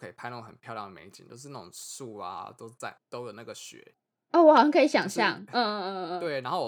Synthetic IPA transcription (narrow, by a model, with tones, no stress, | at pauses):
kʰɤ˧˥i˨˩pʰa˥˧ɪna˥˩ɡo˨˩xə˨˩npʰjɑ˥˧ʊljɑ˥˩ŋd̪ə˨me˧˥ɪt͡ɕḭ˨nt͡ɕjo˥˧ʊʂ̬̩˥˧na˥˩ʊ̰˨˩ŋsu˥˩a̰˨t̪o˥ʊt͡sa˥˩ɪt̪o˥ʊlə˨˩na˥˩ɡə˩ɕɥɛ̰˧˥ | ɔ˥˩wɔ˧˩xɑ˨ɕjɑ˥kʰi˧˦ɕjɑ˨˩ŋɕjɑ˥˨ŋ̩˥˧˥t̪we˥˩ɪna˧˦nxo˥˩ʊ˨